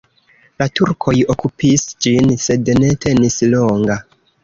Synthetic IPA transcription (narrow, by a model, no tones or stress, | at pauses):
latuɾkʰo̞jo̞kupisd͡ʒinse̞dne̞tʰe̞nislo̞ŋɡa